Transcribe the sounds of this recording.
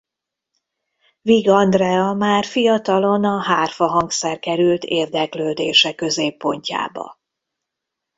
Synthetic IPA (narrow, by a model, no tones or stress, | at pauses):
viɡɒnd̪rɛɒmaːrfijɒt̪ɒlo̞nɒɦaːrfɒɦɒŋksɛrkɛɾylt̪ʰeːrd̪ɛkløːd̪eːʃɛkø̞zeːpːo̞ɲca̰ːbɒ̰